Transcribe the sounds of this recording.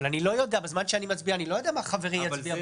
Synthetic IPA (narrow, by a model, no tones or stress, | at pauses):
lanilo̞jo̞d̪eabezmanʃeanimat͡sbianilo̞jodeamaχaveʁimjat͡sbia